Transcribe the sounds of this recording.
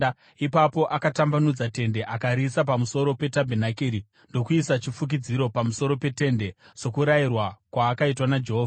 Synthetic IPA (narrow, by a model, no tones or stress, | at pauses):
ipapo̞ʔakatambanud͡zate̞nde̞ʔakaɾisapamuso̞ɾo̞pe̞tabʱenakiɾi | ndo̞kuisat͡ʃifuk̬id͡ziɾo̞pamuso̞ɾo̞pe̞te̞nde̞t͡ʃo̞kuɾairwakwaːkaitwanad͡ʒe̞ɦoːva